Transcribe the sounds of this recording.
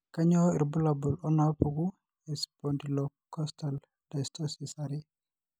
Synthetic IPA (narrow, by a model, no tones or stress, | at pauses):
kaɲɔhɔiɾbulabulɔnapuɡu | ɛsbɔndilɔ | kɔstal | dastɔsisaɾi